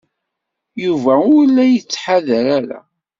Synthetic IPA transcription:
juvæʊɾlːæjət͡sːħaðəɾæɾæ̰

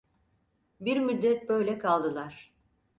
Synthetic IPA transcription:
biɾmyd̪ːɛt̪̚bø̞jlʲɛkʰalˠd̪ɯlˠaɾ̥

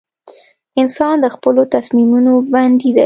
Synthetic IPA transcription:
ɪnsɑnd̪əxpəlot̪asmimunoband̪id̪a

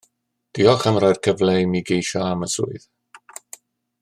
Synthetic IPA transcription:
d̥iɔχəmrajr̥kʰəvlejmiɡejʃɔaməsʊ̰ɨð

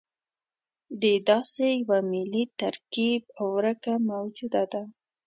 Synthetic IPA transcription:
d̪ed̪ɑsejawamɪlit̪aɾkib̚awːɾəkamawd͡ʒud̪ad̪a

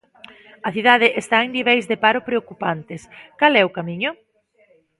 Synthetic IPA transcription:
ɐθiðað̞ɪʔest̪aeŋniβ̞ɛjzðepaɾʊpɾeokupant̪ɪskalɛʊkamiɲʊ

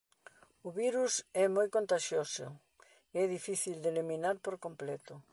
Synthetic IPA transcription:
ʊβiɾusɛmojkont̪aʃjosʊ̰ | eɛðifiθild̪eliminaɾpoɾkomplɛt̪ʊ

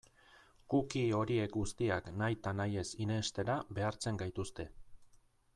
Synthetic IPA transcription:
kukio̞ɾie̞kɡust̪iaknajt̪anaje̞sine̞st̪e̞ɾaβe̞aɾt͡se̞ŋɡajt̪ust̪e̞

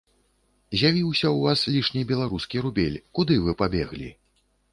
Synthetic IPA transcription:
zʲjavʲiwsʲɐwvaslʲiʂnʲibʲɛlˠaɾuskʲiɾubʲelʲkud̪ɨvɨpabʲɛɣlʲḭ

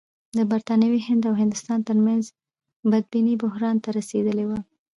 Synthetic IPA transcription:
d̪əbaɾt̪ɑnawihɪnd̪awɦɪnd̪ʊst̪ɑnt̪əɾmanz | bad̪̚binibʊhɾɑnt̪aɾased̪əlewa

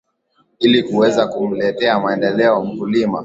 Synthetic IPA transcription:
ilikuwɛzakulɛtɛamaɛndɛlɛɔm̩vulima̰

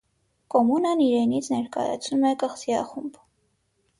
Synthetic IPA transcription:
kɔmunəniɾɛnit͡sʰnɛɾkɑ̰jɑ̰t͡sʰnumɛkəχsiɑ̰χumb

